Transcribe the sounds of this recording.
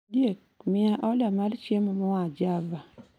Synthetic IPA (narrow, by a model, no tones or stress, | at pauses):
djek̚ | mɪaʔɔlamalt͡ʃjemɔmɔad͡ʒava